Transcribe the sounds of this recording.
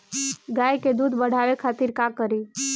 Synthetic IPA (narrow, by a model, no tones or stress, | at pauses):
ɡajked̪uːd̪bəɽ̤aʋekʰat̪iɾkakəɾi